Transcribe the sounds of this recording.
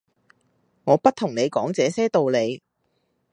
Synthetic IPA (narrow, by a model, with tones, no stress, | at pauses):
ŋɔː˨˧pɐ˥t̚t̪ʰʊ˨˩ŋne˨˧jkɔː˨˥ŋt͡sɛː˨˧sɛː˥t̪o˨wle˨˧j